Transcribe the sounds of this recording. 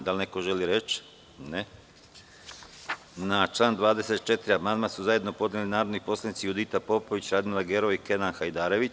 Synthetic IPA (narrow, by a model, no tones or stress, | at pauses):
d̪alneko̞ʒe̞liɾet͡ʃ | ne | nat͡ʃlˠaːnd̪ʋaːd̪e̞set̪̚t͡ʃe̞t̪iɾiabmand̪masuzaje̞d̪no̞po̞d̪nelinaːɾod̪nipo̞slˠanit̪sijud̪it̪apo̞po̞ʋit͡ɕɾad̪milˠaɡeɾo̞ike̞nanxajd̪aːɾe̞ʋi